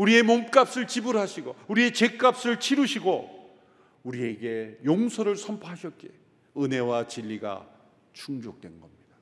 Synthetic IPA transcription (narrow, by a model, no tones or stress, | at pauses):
uɾie̞momk͈ap̚s͈ɯɭt͡ɕibuɾɦaɕʰiɡo̰uɾie̞t͡ɕe̞k͈ap̚s͈ɯɭt͡ɕʰiɾuɕʰiɡo | uɾie̞ɡe̞joŋsʰoɾɯɭsʰʌmpʰaɦaɕʰʌt̚k͈e̞ | ɯne̞wat͡ɕiʎːiɡa̰ | t͡ɕʰuŋd͡ʑok̚t͈wenɡʌmɲida